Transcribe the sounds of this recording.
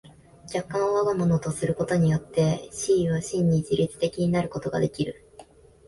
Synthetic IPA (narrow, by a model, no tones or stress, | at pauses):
ɡʲakːãɰ̃oβaɡamonot̪o̞sɨɾɯ̟ko̞t̪o̞ɲ̟ijo̞t̪ːe̞ɕiːβaɕĩɲ̟ːid͡ʑiɾʲit͡sɨ̥t̪e̞kʲiɲ̟inaɾɯ̟ko̞t̪o̞ɡa̰d̪e̞kʲiɾɯ̟